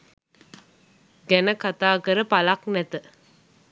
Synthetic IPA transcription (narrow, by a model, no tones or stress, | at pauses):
ɡɛnəkat̪aːɡəɾəpalaknɛt̪ə